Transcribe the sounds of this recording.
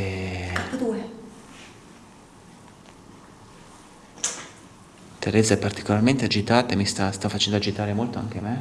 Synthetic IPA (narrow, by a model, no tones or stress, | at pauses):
at̪ad̪uːe | t̪eɾɛːzaɛpːart̪i̥kolarment̪ead͡ʒit̪aːt̪aemist̪ast̪afːat͡ʃɛnd̪oad͡ʒit̪aːɾemolt̪oa̰ŋk̟eame